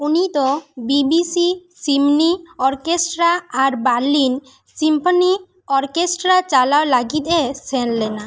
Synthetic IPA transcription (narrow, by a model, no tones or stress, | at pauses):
unit̪ɔbibisisimniɔɾkesʈɾaːɾbaɾlin | simpʰɔni | ɔɾkesʈɾat͡ʃalalaɡit̪ɛsɛnlɛna